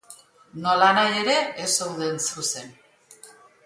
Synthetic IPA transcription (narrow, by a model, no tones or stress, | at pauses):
no̞lanaje̞ɾe̞ːsewðe̞nsuse̞n